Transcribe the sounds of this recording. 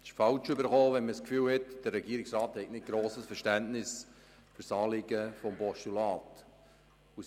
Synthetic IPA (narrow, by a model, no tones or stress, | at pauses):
ɪʃfɑlt͡ʃʏbəɾχoːʋɛnməskfyːlhɛtd̥əɾɛɡiːəɾɪksrɑːthɛɪtnɪt̚ɡ̥ɾoːsəsfəɾʃtæntnɪs | fʏɾsɑːlɪɡəfɔmpɔʃtulɑːt | u